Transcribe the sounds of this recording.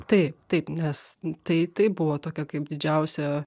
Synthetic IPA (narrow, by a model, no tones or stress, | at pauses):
t̪ɐɪp̚t̪ɐɪpnʲɛst̪ɐɪt̪ɐɪbʊʋoːt̪oːkʲɛkɐɪp̚d̪ʲɪd͡ʒʲɛʊsʲɛ